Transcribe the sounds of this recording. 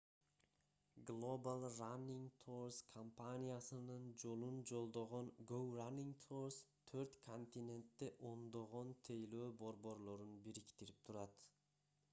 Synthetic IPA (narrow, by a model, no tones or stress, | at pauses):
ɡlˠobalˠranʲːiŋɡt̪ʰoɾskʰɐmpanʲijasɯnɯnd͡ʒo̞lˠund͡ʒo̞lˠd̪o̞ʁo̞ŋɡowranʲːiŋɡt̪ʰoɾst̪ʰøɾt̪kʰonʲt̪ʲinʲe̞nt̪ːeʔo̞nd̪o̞ʁo̞nt̪ʰe̞jløːbo̞ɾbo̞ɾlˠo̞ɾunbiɾikt̪iɾip̚t̪ʰuɾɑt̪